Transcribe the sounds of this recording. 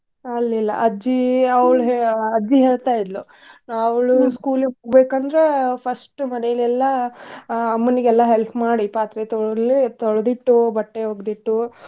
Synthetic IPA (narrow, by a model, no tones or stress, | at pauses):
ɐlːilːɐ̰ʔɐd͡ʒiɐwɭɦeɐd͡ʒːiɦeːɭt̪aːjid̪lu | naɐwɭuskuːleoɡbeːkɐnd̪ɾe̞pʰɐsʈumɐnɛjɐlɛlːɐː | mːuniɡɛlːɐɦelpmaːɽipaːt̪ɾet̪ɔɭlit̪ɔɭɐd̪iʈːubɐʈːeɦoːɡd̪iʈːu